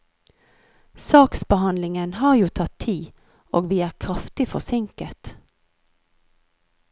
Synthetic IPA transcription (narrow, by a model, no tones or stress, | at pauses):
sɑːksbəhɑnlɪŋənhɑːʁjuːt̪ʰɑt̪ʰiː | ʔoːɡʋiːæːʁkʰʁɑft̪ɪfɔ̰sɪŋkət̪